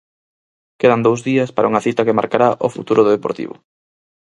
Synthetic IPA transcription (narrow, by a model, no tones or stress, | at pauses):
keðand̪owzðiɐspaɾauŋɐθit̪ɐkemaɾkaɾaʔʊfṵt̪uɾʊðoðepoɾt̪ḭβʊ̰